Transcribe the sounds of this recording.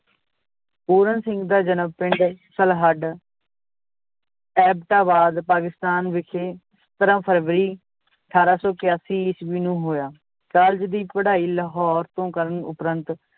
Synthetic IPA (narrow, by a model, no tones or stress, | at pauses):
puːɾənsɪ̃ŋɡd̪aːd͡ʒənəmpɪɳɖsəlɦəɖ | ɛːb̚ʈaːbaːd̪paːkɪst̪aːnʋɪkʰeː | sət̪əɾãːpʰəɾʋɾiː | əʈʰaːɾaːsɔːkɪjaːsiːɪsʋiːnũːɦoːjaː | t͡ʃəld͡ʒd̪iːpəɽaːiːləɦɔːɾt̪õːkəɾənʊ̰pɾənt̪